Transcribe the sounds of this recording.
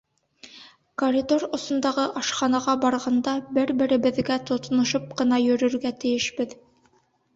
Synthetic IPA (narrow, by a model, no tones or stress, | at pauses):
koɾʲid̪orŏsŏnd̪ɑʁɤʔɑʃχɑnɑʁɑbɑɾʁɑnd̪ɑbɘɾbɘ̆ɾɘ̆bɘ̆ðɡæt̪ŏt̪nŏʃop̚qɤ̆nɑjɵ̆ɾɵ̆ɾɡæt̪ɘ̆jɘ̆ʃbɘð